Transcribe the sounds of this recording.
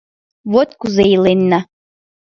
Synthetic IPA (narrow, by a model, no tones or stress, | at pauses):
βot̪kuzeilenːa